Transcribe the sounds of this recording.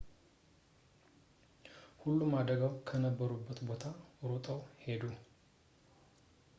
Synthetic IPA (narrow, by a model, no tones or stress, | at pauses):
hulːumːad̪əɡawkʰənəbːəɾubːət̪bo̞t̪ʰaɾot̪ʼəwhe̞d̪u